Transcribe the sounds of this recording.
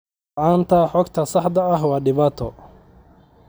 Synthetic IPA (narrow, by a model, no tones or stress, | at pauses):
aːnt̪ʰɐħɔɡt̪ʰɐsɑħd̪ɐɐɦwɑːɖɪβaːt̪ʰɔ